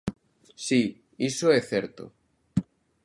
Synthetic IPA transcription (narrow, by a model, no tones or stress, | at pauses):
si | isoɛθɛɾt̪o̰